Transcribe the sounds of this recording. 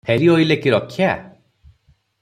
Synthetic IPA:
pʰeɾiojlekiɾɔkʰːja

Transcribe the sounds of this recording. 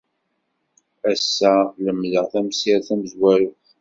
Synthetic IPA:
æsːæləmləʁθæmsiɾθæməzwæɾʊ

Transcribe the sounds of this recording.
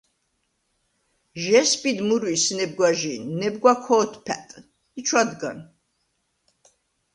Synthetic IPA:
ʒɛspʼid̪muɾwisnɛb̚ɡwaʒinɛb̚ɡwakʰɔːt̪ʰpʰɛ̰t̪ʼ | it͡ʃʰwad̪ɡa̰n

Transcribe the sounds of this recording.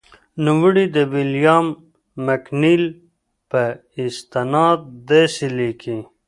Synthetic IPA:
nuwuɽid̪əwiljaːmː | ɐknil | pə | ist̪enɑːd̪ːesilikʰi

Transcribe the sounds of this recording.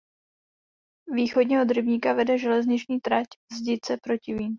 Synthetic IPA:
viːxodɲɛɦod̪ɾɪbɲiːkavɛdɛʒɛlɛzɲɪt͡ʃɲiːt̪ɾacvzɟɪt͡sɛpɾo̞cɪviːm

